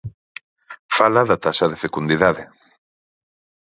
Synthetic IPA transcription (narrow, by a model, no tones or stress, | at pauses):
falaðat̪asɐðefekund̪iðaðɪ